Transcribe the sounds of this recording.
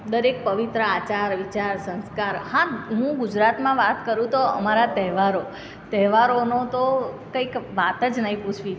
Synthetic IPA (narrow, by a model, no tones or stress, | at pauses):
d̪əɾek̚pəʋit̪ɾəat͡ʃaɾʋit͡ʃaɾsə̃nskaɾhãɦũɡud͡ʒɾat̪mãʋat̪kəɾũt̪oə̰maɾat̪ɛɦʋaɾo | t̪ɛɦʋaɾonot̪o | kəikʋat̪əd͡ʒnəĩput͡ʃʰʋi